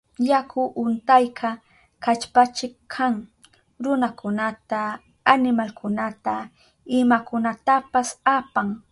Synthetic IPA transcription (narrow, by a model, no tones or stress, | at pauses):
jakʰʊʔʊnt̪ajkʰa | kat͡ʃpat͡ʃɪkʰaŋ | ɾʊnakʊnat̪aː | nɪmalkʰʊnat̪a | ɪmakʊnat̪apasapaŋ